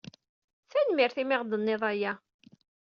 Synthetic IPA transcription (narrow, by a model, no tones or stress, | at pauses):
θænmɪɾθimɪʁd̪ənːɪðˤæjæ